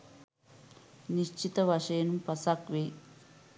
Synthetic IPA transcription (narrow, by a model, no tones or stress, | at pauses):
niʃt͡ʃit̪ɐʋɐʂɐjɐnumpɐsakʋe